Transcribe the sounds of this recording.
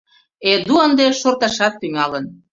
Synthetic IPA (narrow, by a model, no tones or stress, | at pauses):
ed̪uənd̪eʃort̪ɑʃɑt̪ːyŋɑlən